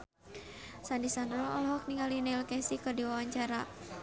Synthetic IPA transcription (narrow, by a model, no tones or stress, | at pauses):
sandisandɾɔɔlɔɦɔk̚niŋalinɛlkɛsikərdiwawaɲt͡ʃaɾa